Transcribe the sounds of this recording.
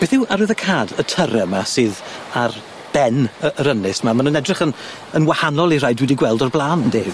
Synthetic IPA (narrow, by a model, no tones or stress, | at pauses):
b̥eːθɪwʔaɾɨðəkʰaːdətʰəɾɛmasɨːðar | b̥ɛnəəɾənɪsmamanunɛdrɪχən | ənwahanɔlˠirajdwɪdiɡwɛlˠdɔrblˠaːnde